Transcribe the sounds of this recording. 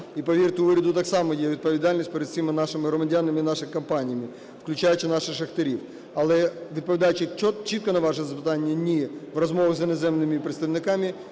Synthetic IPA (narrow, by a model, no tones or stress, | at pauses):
ipɐʋʲirt̪ʊʋɪɾʲɐd̪ʊt̪ɑksɑmɔjɛʋʲd̪̚pɔʋʲid̪ɑlʲnʲisʲt̚ʲpeɾed̪̚ʲsʲimɪnɑʃɪmɪɦɾɔmɐdʲanɐmɪinɑʃɪkɐmpɑnʲijɐmɪ | wklʲʊt͡ʃajʊt͡ʃɪnɑʃɪxʂɐxt̪eɾʲiw | ɐlˠɛʋʲid̪̚pɔʋʲid̪ɑjʊt͡ʃɪt͡ʃɔt͡ʃit̪̚kɔnɐʋɑʒɛzɐpɪt̪ɑnʲːɐnʲiʋrɐzmɔʋɐɣzʲɐnezɛmnɪmɪpɾet̪st̪ɐʋnɪkɑmʲi